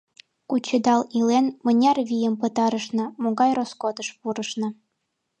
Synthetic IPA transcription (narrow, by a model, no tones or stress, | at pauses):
kut͡ɕəd̪ɑlilenmənʲɑrβijə̆mpə̆t̪ɑɾəʃnɤ̆moɣɑjroskod̪əʃpuɾəʃnɤ̆